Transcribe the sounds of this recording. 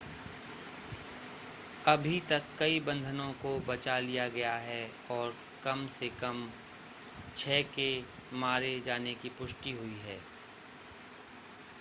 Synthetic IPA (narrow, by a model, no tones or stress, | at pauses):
ɐbʱit̪ɐkːɐibɐ̃nd̪ʱənõkobɐt͡ʃalijaɡɐjaɦɛ | ɔːɾ | kɐmsekɐm | t͡ʃʰɛːke | maːɾed͡ʒaːnekipʊʃʈiɦʊiɦɛː